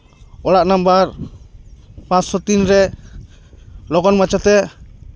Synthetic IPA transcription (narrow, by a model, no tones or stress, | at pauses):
ɔlaʔnambaɾ | pãt̪sɔt̪inɾɛ | lɔkɔnmat͡ʃat̪ɛ